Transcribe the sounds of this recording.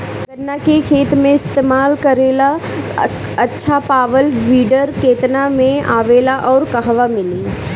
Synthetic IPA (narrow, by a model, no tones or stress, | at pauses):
bɐnːakekʰeːt̪mẽɪst̪eːmaːlkɐɾeːla | ɐtːʃʰapaːʋəlʋiːɖəɾkeːt̪namẽaːʋeːlaʔɔːɾkɐɦʋamɪliː